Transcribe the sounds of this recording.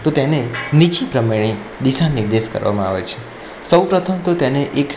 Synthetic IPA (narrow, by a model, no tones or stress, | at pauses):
t̪ot̪enenit͡ʃipɾəmeɭ̃i | d̪iʃanɪɾd̪eʃkə̰ɾʋa̰mãa̰ʋḛt͡ʃʰe̥ | səwpɾət̪ʰəmt̪ot̪eneʔek